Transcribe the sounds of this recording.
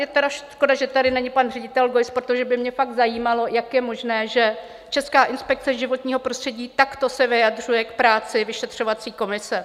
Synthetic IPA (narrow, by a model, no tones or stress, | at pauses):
jɛt̪ɛdaʃʃko̞daʒɛt̪adɪnɛɲɪpanr̝ɛɟɪt̪ɛlɡojspɾot̪oʒɛbɪmɲɛfaɡ̚t̪zajiːmalo̞jakjɛmo̞ʒnɛːʒɛ | t͡ʃɛskaːʔɪnspɛk̚t͡sɛʒɪvo̞t̪ɲiːɦo̞pɾost̪r̥ɛɟiːt̪akt̪o̞sɛvɪjadr̝ujɛkpɾaːt͡sɪvɪʃɛt̪r̝̥o̞vat͡siːko̞mɪsɛ